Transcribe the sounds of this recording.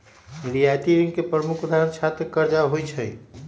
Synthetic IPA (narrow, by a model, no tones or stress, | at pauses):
ɾijat̪iɾiŋɡkepɾəmukʰud̪ʱaɾənt͡ʃʰat̪ekəɾd͡ʒaɦojt͡ʃʰəj